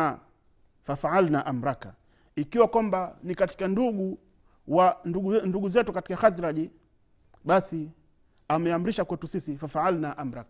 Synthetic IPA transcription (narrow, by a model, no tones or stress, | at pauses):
a | fafaʕalnaʔam̩ɾaka | ikiwakwambanikati̥kanduɡu | waunduɡuzɛtukati̥kaxaziɾaʄi | ɓasi | amɛam̩ɾiʃakwɛtusisifafaalnaʔam̩ɾaka